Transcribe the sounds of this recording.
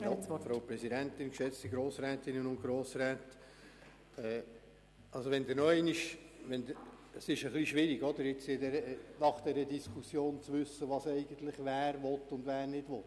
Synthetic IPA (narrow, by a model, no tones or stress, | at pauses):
jfɾoʊpɾɛsidæntɪnkʃɛt͡stiɡɾoːsɾɛːt̪ɪnənʊnt̚ɡ̥ɾoːsɾɛːt | ɛː | ɑlsoʋɛnd̪ɪɾnɔɛɪnɪʃʋɛnd̪ | sɪʃəχliʃʋɪɾiɡɔd̪əɾɪt͡sɪd̪ɛɾənɑχd̥̪ɛɾəd̪iskʰusjoːnt͡sʋʏsːəʋɑsɛɪɡ̥ənt̪lɪχʋæːɾvɔtːʊnd̪ʋæːɾnɪd̥ʋɔt̪ː